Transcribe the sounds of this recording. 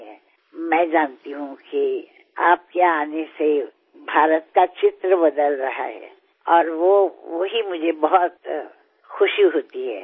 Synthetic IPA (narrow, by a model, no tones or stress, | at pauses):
ɦɛː | mɛ̃ːd͡ʒaːnt̪iɦũki | aːp̚kjeaaːnese | bʱaːɾət̪̚kat͡ʃɪt̪ɾəbɐd̪əlɾɐɦa̰ɦɛ̰ː | ɔːɾʋoʋoɦimʊd͡ʒʱebɐɦɔt̪ | xʊʃjuɦoːt̪iɦɛ̰ː